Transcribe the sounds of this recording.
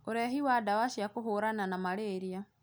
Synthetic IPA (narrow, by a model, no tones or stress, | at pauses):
oɾɛɦiwadawaʃjakoɦoːɾananamaɾeːɾia